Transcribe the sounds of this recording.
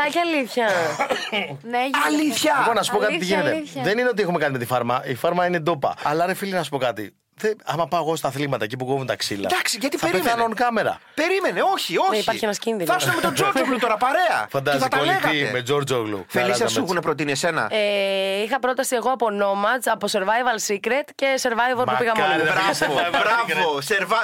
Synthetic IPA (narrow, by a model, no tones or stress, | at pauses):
ɐcɐliθçɐ | nɐliθçɐipo̞nːɐs̬upokɐtt̪iʝinet̪eðe̞nineo̞t̪iexume̞kɐt̪ime̞t̪ifɐɾmɐifɐɾmɐine̞d̪o̞pɐ̰ɐlɐɾefilinɐsu̥po̞kɐt̪ḭ | ðeɐmɐpɐoɣo̞st̪ɐθlimɐt̪ɐecipukovunt̪ɐksilɐ̰d̪ɐksiʝɐt̪iɐɾeɐnonkɐme̞ɾɐ̰peɾimeneo̞çioipɐɾççienɐscinðinɐsɐmet̪od͡ʒoɾoɣlut̪oɾɐpɐɾe̞ɐ̰fɐnd̪ɐsɐit̪ɐolieɣimed͡ʒo̞ɾd͡ʒoɣlṵfelisɐmkunepɾot̪̬iniese̞nɐ̰eixɐpɾo̞t̪ɐsieɣoɐpono̞mɐzɐpo̞se̞ɾvɐjvɐlsikɾet̪ce̞se̞ɾvɐjvoɾmupiɣɐmoɐobɾɐvoseɾvɐ